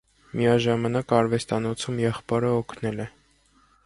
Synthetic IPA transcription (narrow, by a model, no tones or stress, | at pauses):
mijɑʒɑmɑnɑkɑɾvɛst̪ɑnɔt͡sʰumjɛχpɑɾəɔkʰnɛlɛ